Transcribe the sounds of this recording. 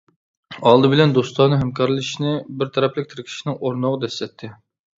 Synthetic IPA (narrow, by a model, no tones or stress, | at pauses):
ɑlˠd̪ɨbɪlɛnd̪ost̪ʰɑnɨɦɛmkʰɑɾlˠɨʃnɪbɪɾt̪ʰɛɾɛplɪk̚ʲt̪ʰɪɾɪkʲʰi̥ʃnɪŋoɾnoʁɑd̪ɛslɛt̪ʰːɪ